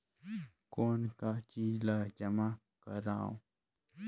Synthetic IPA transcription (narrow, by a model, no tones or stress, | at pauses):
konkat͡ʃilad͡ʒəma | kəɾaːõ̰